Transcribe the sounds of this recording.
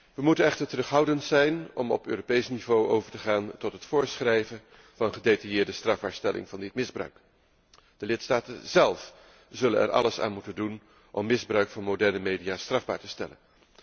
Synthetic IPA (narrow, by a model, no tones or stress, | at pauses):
ʋəmutənɛχtəɹtərɵχɦɑwdəntsɛjnɔmɔ̰pø̰ːropejsnivowʔowvəɹtəχaːntɔtɦətfʊːɹsχrɛjvən | vɑnəχədejtɑjɪːɹdəstrɑvbaːɹstɛlʔɪ̰ŋvɑndɪtmɪzbrœ̰ɥk | d̥əlɪtstaːtə̰nzɛlˠf | z̥ɵlə̰nɛ̰ɹʔɑ̰ləsa̰ːnmutəndun | ʔɔmːɪzbrœɥkfɑnmowdɛɹnəmejdijaːstrɑvba̰ːɹtəstɛlə̰n